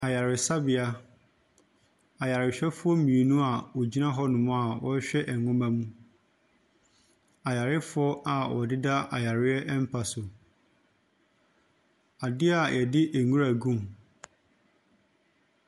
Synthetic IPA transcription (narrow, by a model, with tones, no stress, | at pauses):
a˨ja˨ɾɪ˨sa˦bɪ˨a˦ | a˨ja˨ɾɪ˨ɕᶣɛ˦fʊ˦ɔ˦m˦mĩ˨e˨nũ˦a˨wɔ˨d͡ʑi˦nã˦ɦɔ˦nʊ̃˨mʊ̃˦a˨wɔ˦ɕᶣɛ˦ʔɛ˨ŋʊ̃˦mã˦mũ˦ | a˨ja˨ɾɪ˦fʊ˦ɔ˦ʔa˨wɔ̰˨dɪ˦da˦a˨ja˨ɾɪ˦ɛ˦ʔɛ˦m̩˦pʰa˨sʊ˨ | a˨dɪ˦a˨jʔɛ˨dɪ˦ʔæ˨ŋũ˦ɾa˨ɡũ˦m